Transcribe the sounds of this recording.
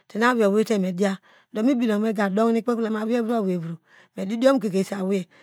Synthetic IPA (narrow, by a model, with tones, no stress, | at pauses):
ti˨n˦a˦wi˨o˨we˦te˦˨me˨di˦a˦ | do˨mi˦bi˨lo˨me˦ɡa˨do˦ŋ˦ni˦k͡pe˦kle˨˦ma˨wi˦e˦bu˦a˦˨we˨bu˨ɾu˨ | me˨di˦di˦o˦mu˦˨ke˨ke˨sa˨we˨